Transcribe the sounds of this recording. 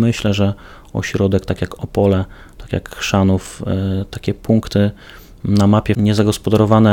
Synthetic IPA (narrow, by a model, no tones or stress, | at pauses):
mɘɕlɛʐɛ | ɔ̰ɕɾɔd̪ɛkt̪akʲjakɔpɔlɛ | t̪akʲja̰kʂanuft̪akʲɛpuŋkt̪ɘ | namapʲjɛɲɛzaɡɔspɔd̪aɾɔvanɛ